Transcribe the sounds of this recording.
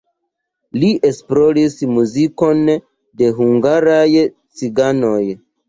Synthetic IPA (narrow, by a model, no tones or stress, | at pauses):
liʔe̞splo̞ɾismuziko̞n | de̞ɦuŋɡaɾaj | t͡siɡano̞j